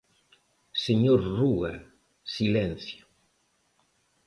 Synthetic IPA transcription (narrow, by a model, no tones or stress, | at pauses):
seɲoɾrua | silɛnθjʊ̥